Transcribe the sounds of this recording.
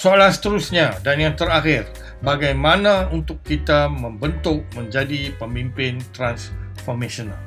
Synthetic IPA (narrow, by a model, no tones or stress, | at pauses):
soalasə̥t̪əɾusɲadanjaŋt̪əɾaxɪr | baɡajmãnãunt̪ʊkːit̪amə̃mbənt̪ʊʔ̚mə̃ɲd͡ʒadipəmimpɪnt̪ɾansfɔrmesonal